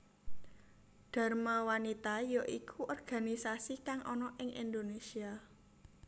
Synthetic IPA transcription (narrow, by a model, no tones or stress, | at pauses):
ɖ̥a̤rmawanit̪ajoʔikʰuʔɔrɡ̥a̤nisasikaŋʔɔnɔʔɪŋʔḭnd̪onesia